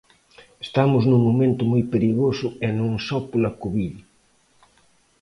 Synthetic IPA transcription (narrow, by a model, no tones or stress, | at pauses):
est̪amʊznũŋːomẽnt̪ʊmojpeɾiɣosʊɛnõŋsɔpolakuβiʎ